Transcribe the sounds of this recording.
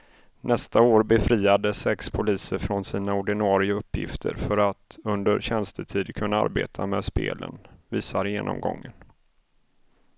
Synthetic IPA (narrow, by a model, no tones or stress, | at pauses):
nʔɛst̪aoːɾbɛfɾiːad̪əsɛkspʰʊliːsəɾfɾɔnsiːnaʊɖɪnɑːɾɪəɵpːjɪ̰ft̪ʰə̰ɾfœɾat̪ɵnd̪əɾɕɛnst̪ʰət̪ʰiːd̪kʰɵnːaa̰ɾbeːt̪ʰameːd̪spḛːlə̰nviːsaɾjeːnʔɔ̰mɡɔ̰ŋːən